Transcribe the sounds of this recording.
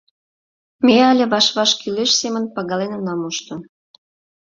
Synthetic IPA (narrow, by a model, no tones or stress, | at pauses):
meɑlʲeβɑʃβɑʃkyleʃsemənpɑɣɑlenonɑmuʃt̪ŏ